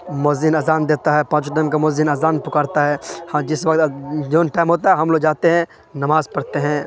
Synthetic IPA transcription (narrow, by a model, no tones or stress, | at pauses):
moːzɪnɐːzaːnd̪eːt̪aɦɛpãːt͡ʃɖəmkamoːzɪnɐːzaːnpʊkaːɾt̪aɦɛːhd͡ʒɪsʋɐk̚t̪d͡ʒoːnʈaːɪmɦoːt̪aɦɛɦɐmloːɡd͡ʒaːt̪eɦɛ̃ | nɐmaːzpɐɽt̪eɦɛ̃ː